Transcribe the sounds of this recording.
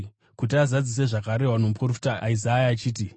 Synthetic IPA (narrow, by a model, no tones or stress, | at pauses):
kut̬iazad͡zis̬e̞ʐakaɾe̞ɦwanomuprofi̥taizajaːt͡ʃiːti